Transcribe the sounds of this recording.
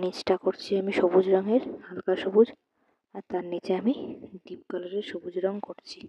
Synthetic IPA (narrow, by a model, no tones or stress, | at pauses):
nit͡ɕʈakoɾt͡ɕʰiamiʃobud͡ʑɾɔŋeɾhalkaʃobud͡ʑ | aɾt̪aɾnit͡ɕeamiɖip̚kaloɾeɾʃobud͡ʑɾɔŋkoɾt͡ɕʰi